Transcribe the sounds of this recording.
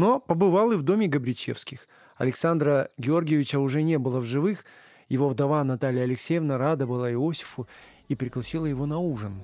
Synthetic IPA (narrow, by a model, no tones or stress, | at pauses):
no̞pəbɨvalˠɨvd̪o̞mʲɪɡəbɾʲɪt͡ɕḛfskʲɪx | ɐ̰lʲɪksand̪ɾəɡʲɪo̞rɡʲɪjɪvʲɪt͡ɕəʊʐɛnʲe̞bɨlˠəvʐɨvɨx | jɪvo̞vd̪ɐvanɐt̪alʲɪjəɐlʲɪksʲejəvnəɾad̪əbɨlˠaɪo̞sʲɪ̥fʊ | ipɾʲɪɡlˠɐsʲilˠəjɪvo̞nɐuʐɨn